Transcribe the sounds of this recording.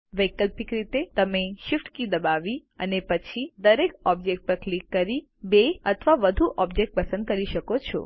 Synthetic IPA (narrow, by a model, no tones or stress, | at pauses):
ʋəjkəlpikɾit̪et̪əmeʃɪfʈkid̪əbaʋiə̰nepət͡ʃʰid̪əɾekɔb̚d͡ʒek̚ʈ̚pəɾklikːəɾi | beət̪ʰʋaʋəd̪ʱuʔɔbd͡ʒek̚ʈ̚pəsə̃nd̪̚kəɾiʃəkot͡ʃʰɔ̰